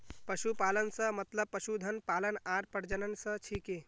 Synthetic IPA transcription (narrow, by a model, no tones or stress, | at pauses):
pəʃupalənsə̃mət̪ləb̚pːəʃud̪ʱənpalənaɾpəɾd͡ʒənənsə̃t͡ʃʰike